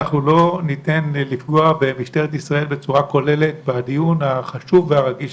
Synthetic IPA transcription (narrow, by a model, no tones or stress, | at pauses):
aχnulo̞nite̞nlifɡoabemiʃte̞ʁet̪isʁae̞lbe̞t͡suʁako̞le̞le̞t̪̚bead̪ijunaχaʃuvːeaʁaɡiʃ